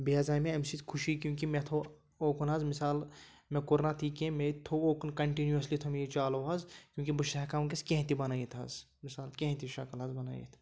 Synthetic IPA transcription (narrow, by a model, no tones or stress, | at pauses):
biaːzaːjmẽɐmsit̪kʰuʃikjũːkimet̪ʰo | oːkʰunazmisaːlmẽkʊɾnat̪ʰiːkẽmet̪ʰooːkunkɐɳʈinjuɐslit̪ʰumjit͡ʃaːloːɦɐzkʲjũːkibuʃekaːmk̬eskẽɦt̪ibɐnaːjit̪ʰɐ̰z | mɪsaːlkẽɦt̪ʰiʃɐkɐlɦɐzbɐna̰ːjḭt̪ʰ